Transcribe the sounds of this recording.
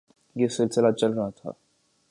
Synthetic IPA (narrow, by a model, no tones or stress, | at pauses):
jesɪlsɪlat͡ʃɐlɾɐɦat̪ʰa̰ː